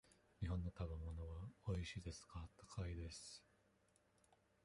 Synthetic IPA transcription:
ɲ̟iɦõ̞nːo̞t̪abemo̞no̞βaoiɕiːd̪e̞sɨ̥kat̪ːo̥kʰaid̪e̞sɨ̥

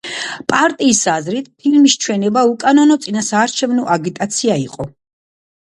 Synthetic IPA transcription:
pʼaɾt̪ʼiːsazɾit̪ʰpʰilmiʃt͡ʃʰwɛnɛbaukʼanɔnɔt̪sʼinasaːɾt͡ʃʰɛvnɔʔaɡit̪ʼat̪sʰiaiqʼɔ

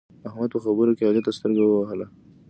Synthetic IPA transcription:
ahmad̪̚pəxabəɾokeɑlat̪ːast̪əɾɡawəwaɦəla

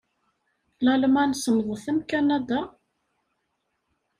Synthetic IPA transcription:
lælmænsəmðˤəθæmkænæd̪a

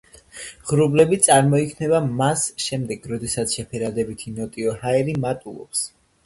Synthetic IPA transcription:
ʁɾublɛbit̪sʼaɾmɔikʰnɛbamasʃɛmd̪ɛɡɾɔd̪ɛsat̪sʰʃɛpʰɛɾad̪ɛbit̪ʰinɔt̪ʼiɔhaɛɾimat̪ʼulˠɔ̰ps

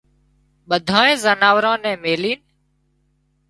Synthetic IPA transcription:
ɓəd̪ʱaːẽːzənaːʋɾãːnɛ̃ːmeːliːn

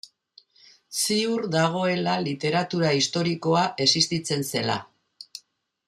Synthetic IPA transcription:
siuɾd̪aɣ̞o̞e̞lalit̪e̞ɾat̪uɾaist̪o̞ɾiko̞aʔe̞sist̪it͡se̞nse̞la̰

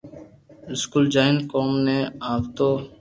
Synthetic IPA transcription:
ɪskuːld͡ʒaːɪnkoːmneːaːbt̪oː

